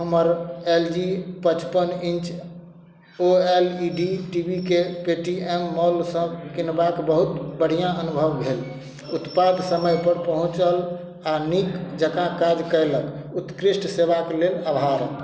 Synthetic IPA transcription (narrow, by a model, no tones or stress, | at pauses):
ɦəməɾeld͡ʒipət͡ʃpənint͡ʃ | oeliɖiʈibʱikepeʈiemːɔlsə̃kinbakbəɦut̪bəɽ̤ijãənubʱəbbʱel | ut̪pad̪ʱsəməjpəɾpəɦũt͡ʃəl | anikd͡ʒəkãkad͡ʒkəjləkut̪kɾisʈsebakelelabʱaɾəl